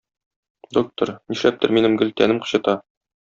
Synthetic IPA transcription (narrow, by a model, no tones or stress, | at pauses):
d̪ok̚t̪ŏɾniʃlæp̚t̪ɘɾminɘmɡɵlt̪ænɘmqɤ̥̆ɕɤ̆t̪ɑ